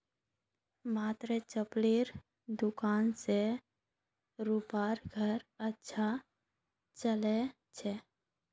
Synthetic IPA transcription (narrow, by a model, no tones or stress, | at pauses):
maːt̪ɾet͡ʃəpliɾ | d̪ʊkaːnse | ɾupaɾɡʱəɾətːʃʰa | t͡ʃəle | t͡ʃʰɛ